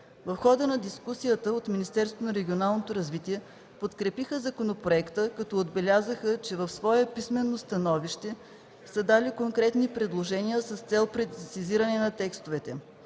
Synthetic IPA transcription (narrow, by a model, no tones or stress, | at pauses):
vɐfxɔd̪ənɐd̪iskusijət̪əot̪minist̪ɛɾsvonɐɾɛɡʲionalˠnot̪oɾɐzvit̪iɛ | pot̪kɾɛpixəzɐkonopɾoɛkt̪əkɐt̪ɔod̪bɛlʲazəxət͡ʃɛvɐfsvɔɛpismɛnːost̪ɐnɔviʃt̪ɛ | səd̪alikoŋkɾɛt̪nipɾɛd̪lˠoʒɛniəsɐst̪sɛlˠpɾɛd̪siziɾɐnɛnɐt̪ɛkst̪ovɛt̪ɛ